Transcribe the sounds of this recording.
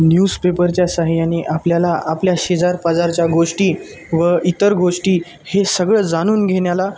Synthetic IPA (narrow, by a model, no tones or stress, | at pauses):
njuːspepəɾt͡ɕjasaɦjaneʔapljalaʔapljaɕed͡zaɾpad͡zaɾt͡ɕjaɡoʂʈiː | ʋəit̪əɾɡoʂʈiː | hesəɡɭəːd͡zaɽ̃uːnɡʱeɳjala